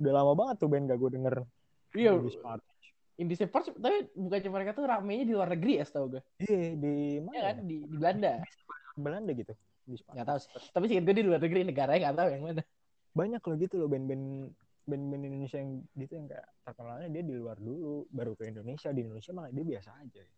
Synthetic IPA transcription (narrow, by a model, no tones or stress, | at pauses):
udalamabaŋət̪ːubɛnɡaɡudəŋər | iadispat̪ | t͡ʃ | indisepərt͡ʃt̪apibukaɲt͡ʃaməɾekat̪uɾamaɲadiluarnəɡɾijast̪auɡaiadimajakandidibəlanda | bəlandaɡit̪u | dispaŋɡaʔt̪aust̪apisikɪt̪ɡuadiluarnəɡɾinəɡaɾaɲaŋɡat̪aujaŋmana | baɲakːloɡit̪ulʊbɛnbɛn | bɛnbɛnindonesiajaŋɡit̪ujaŋka̰ja̰ʔt̪ərkənalɲadiadiluardulubaɾukəindonesiadiːndonesiamakadiabiasaːd͡ʒa